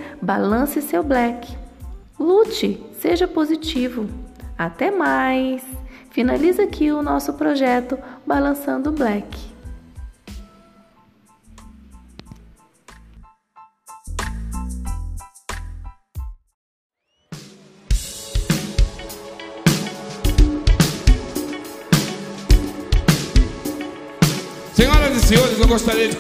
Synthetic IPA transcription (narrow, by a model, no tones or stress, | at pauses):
balɐ̃sɪsewblɛkɪ̥ | lut͡ʃɪseʒɐpozit͡ʃivʊat̪ɛmajsfinalizakiʊnɔsʊpɾoʒɛt̪ʊbalɐ̃sɐ̃nd̪ʊblɛkɪ̥ | seɲɔɾɐzɪseoɾɪznẽw̃ɡost̪aɾiɐd͡ʒɪ